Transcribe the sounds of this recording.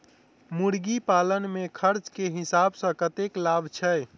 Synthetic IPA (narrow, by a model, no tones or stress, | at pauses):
muɽɡipalənmekʰəɾt͡ʃkeɦisabsə̃kət̪eklabt͡ʃʰɛ